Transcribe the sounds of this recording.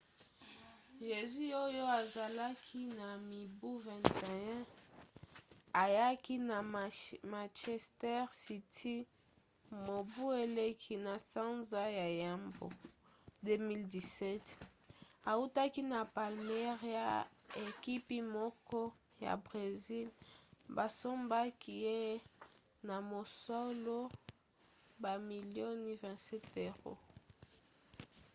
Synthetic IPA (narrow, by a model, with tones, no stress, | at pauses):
ʒe˨zy˦o˦jo˦a˨za˨la˦kʰi˦na˨mi˨bu˦vɛ̃˨ntɛ˨ɛ̃˦ | a˨ja˦ki˦na˨mã˨t͡ʃɛ˨stɛ˦ʁsi˨tʰi˦ | mo˨bu˦e˨le˦kʰi˨na˨sã˦nza˦ja˨ja˨mbo̰˨ | de˦mi˦ldi˨sɛ˦t | a˨u˦ta˦ki˦na˨pa˨lme˦ʁja˨e˨ki˦pi˦mɔ˦kɔ˦ | ja̰˨bʁe˨zi˦lba˨so˦mba˦kʰi˦je˦ | na˨mo˨so˦lo˦ | ba˨mi˨ljo˦ni˦vɛ̃˨nsɛ˦te˨ʁo̰˨